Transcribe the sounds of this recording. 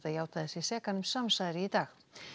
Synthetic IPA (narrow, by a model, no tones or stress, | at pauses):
t̪ajaːwt̪aðɪsisɛːkanʏmsamsaðɾɪit̪aːx